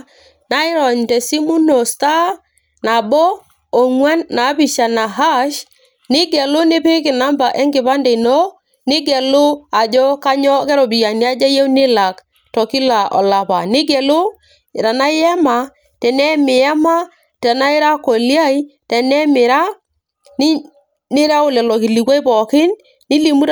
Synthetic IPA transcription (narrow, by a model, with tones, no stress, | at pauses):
na˨˦ɪ˦ɾɔ˨ɲtɛ˨si˦mu˦no˨sta˦ | na˨bɔ˦ | o˨ŋwɛ˦nːa˨˦bi˨ʃa˨na˨ɦa˦ʃ | nɪ˦ɡɛ˨lʊ˦nɪ˦pɪ˦kɪ˨na˦mba˨ʔɛ˦ŋɡɪ˨βa˦ndɛ˨nɔ˦ | nɪ˦ɡɛ˨lʊ˦a˨d͡ʒɔ˦ka˦ɲɔ˦kɛ˦ɾɔ˨bi˨ja˨nja˦d͡ʒa˦jɛ˦wnɪ˦la˨k | tɔ˨ki˦la˨ʔɔ̰˨la˨pa̰˨nɪ˦ɡɛ˨lʊ˦ | ɪ˨ɾa˨na˦jɛ˦ma˨ | tɛ˨nɛ˦mɪ˨a˦ma˦ | tɛ˨na˦ɪ˦ɾa˦kɔ˨lja˦i˦tɛ˨nɛ˦mɪ˨ɾa˦ | nɪ˦ | nɪ˦ɾa˦ʊ˦lɛ˨lɔ˨ki˨li˨kwa˦jbɔ˨kɪ˦n | nɪ˦li˨mu˦ɾ